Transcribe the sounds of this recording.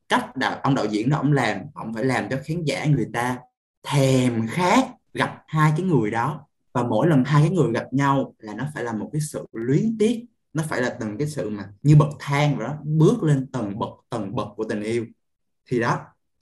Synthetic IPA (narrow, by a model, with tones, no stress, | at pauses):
ka˦˥jk̚ɗa̰ː˧˨ʔə˧wŋ͡mɗa̰˧˨wzḭ˧˥ənɔ˨˦ʔə̰˧˩wŋ͡mlaː˨˩mhə̰˧˩ŋ͡mfaː˧˩jlaː˨˩mt͡ɕɔ˧xaː˨˦nza̰ː˧˩ŋɨ˨˩əjt̪aː˧ | t̪ʰɛ˨˩mxaː˦˥k̚ | ɣa˨˩p̚haː˧jkaː˨˦jŋɨ˨˩əjɗɔ˨˦ | vaː˨˩mo̰˧˥˨jlə˨˩nɦaː˧jkaː˨˦jŋɨ˨˩əjɣa˨˩p̚ɲa˧wlaː˨˩nɔ˨˦faː˧˩jlaː˨˩mo˨˩t̚kaː˨˦jsɨ̰˧˨lwi˨˦ənt̪i˦˥ət̚ | nɔ˨˦faː˧˩jlaː˨˩t̪ɨ˨˩ŋkaː˨˦jsɨ̰˧˨maː˨˩ɲɨ˧ɓə˨˩k̚t̪ʰaː˧ŋvaː˨˩nɔ˨˦ɓɨ˦˥ək̚le˧nt̪ə˨˩ŋɓə˨˩k̚t̪ə˨˩ŋɓə˨˩k̚kːu˧˩ət̪ï˨˩ŋ̟ʔi˧əw | t̪ʰi˨˩ɗɔ˨˦